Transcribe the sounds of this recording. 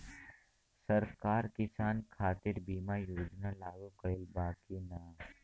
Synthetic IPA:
sɐɾkaːɾkɪsaːnkʰaːt̪ɪɾbiːmajoːd͡ʒnalaːɡukɐɪlbaːkinaː

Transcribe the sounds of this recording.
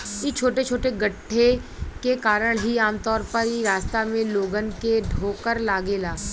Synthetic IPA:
ɪt͡ʃʰoːʈet͡ʃʰoːʈeɡəʈʰːekekaːɾəɽ̃ɦiaːmt̪ɔːɾpɐɾiɾaːst̪amẽloːɡənkeɖʱoːkəɾlaːɡeːlaː

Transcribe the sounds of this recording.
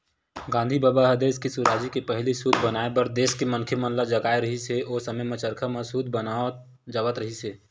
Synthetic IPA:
ɡãːnd̪ʱibaːbaɦəd̪eskisuɾaːd͡ʒikepəɦlisud̪ʱbənaːebəɾd̪eːskemənkʰemə̃nlad͡ʒəɡaːeɾəɦiseʔoːsəməjmẽt͡ʃəɾkʰəmẽsuːd̪ʱbəna | d͡ʒaʋət̪ɾəɦise

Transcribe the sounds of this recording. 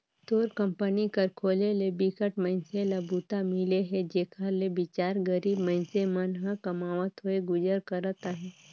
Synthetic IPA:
t̪oːɾkə̃mpənikəɾkʰoːlelebikəʈməɪnselabuːt̪amɪleɦɛd͡ʒeːkʰalebɪt͡ʃaːɾɡəɾiːbmə̃ɪnsemənɦãkɐmaːʋət̪ɦoeɡʊd͡ʒəɾkəɾət̪aɦɛ̃ː

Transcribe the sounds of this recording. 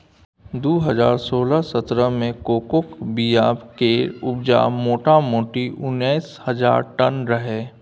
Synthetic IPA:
d̪uːɦəzaːɾsoːlasət̪ɾəmẽkoːkʊkbijaːbkeɾʊbd͡ʒa̰ːmoːʈamoːʈiʔʊnːɛːshɐza̰ːɾʈənɾɐɦeː

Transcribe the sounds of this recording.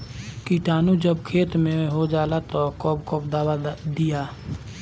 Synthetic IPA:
kiʈaːnud͡ʒəbkʰeːt̪mẽɦod͡ʒaːlat̪ɔkɔpkɔpd̪aːwad̪ijaː

